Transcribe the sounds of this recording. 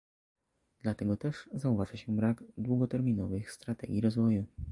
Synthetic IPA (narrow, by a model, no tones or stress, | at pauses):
d̪lat̪ɛɡɔt̪ɛʐzauvaʐaɕɛbɾaɡd̪wuɡɔt̪ɛɾmʲinɔvɘxst̪ɾat̪ɛɡʲjiɾɔzvɔju